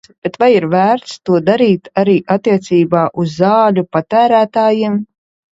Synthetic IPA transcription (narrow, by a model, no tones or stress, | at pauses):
b̥et̪vajiɾvæːɾt̪st̪uɔd̪aɾiːt̪aɾiːʔat̪ːiɛt̪siːbaːʔuzːaːlʲupat̪æːɾæːt̪aːjim